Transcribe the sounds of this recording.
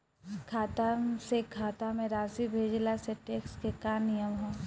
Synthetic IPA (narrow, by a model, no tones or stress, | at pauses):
kʰaːt̪asekʰaːt̪amẽɾaːsibʱeːd͡ʒlaseʈeːkskekaːnɪjəmɦõː